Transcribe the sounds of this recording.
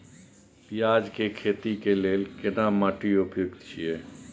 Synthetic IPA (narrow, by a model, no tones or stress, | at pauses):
pijaːd͡ʒkekʰeːt̪ikeleːlkɪnamaʈiʊpjoɡt̪t͡ʃʰieː